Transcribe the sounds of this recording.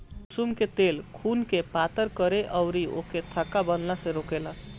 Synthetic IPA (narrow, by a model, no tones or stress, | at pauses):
sumket̪elkʰunkepat̪əɾkəɾeʔəʊɾio̰ket̪ʰəkːabənnasẽɾokela